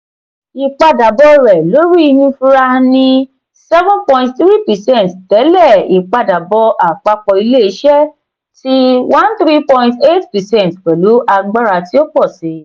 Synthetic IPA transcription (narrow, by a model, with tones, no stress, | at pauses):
i˧k͡pa˧da˨bɔ˧ɾɛ˨lo˨˦ɾi˦i˧hũ˧fu˦ɾa˧nĩ˧ | sɛ˦vũ˦pɔ̃˧ĩ˧tt̪ɾi˦pɛ˨sɛ̃˦˨ttɛ˨˦lɛ˦˨i˨k͡pa˧da˨bɔ˧ʔa˨k͡pa˧k͡pɔ˧i˧le˦i˧˦ʃɛ˦ | ti˦wã˦nt̪ɾi˦pɔ̃˧ĩnte˦tpɛ˨sɛ̃˦n˨tkɛ˨lu˨˦ʔa˧ɡ͡ba˦ɾa˧ti˦o˦k͡pɔ˦˨sĩ˨˦